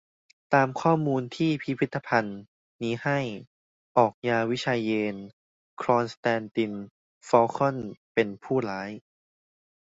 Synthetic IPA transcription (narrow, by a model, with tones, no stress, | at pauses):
t̪aː˧mkʰɔː˥˩muː˧nt̪ʰiː˥˩pʰi˦˥pʰi˦˥t̪ːa˧pʰa˧nː | iː˦˥ha˥˩j | ʔɔː˨˩k̚jaː˧wi˦˥t͡ɕʰaː˧jːeː˧n | kʰɾɔː˧nst̪ɛː˧nt̪i˧n | fɔː˧kʰɔ˥˩npe˧npʰuː˥˩laː˨˦˥j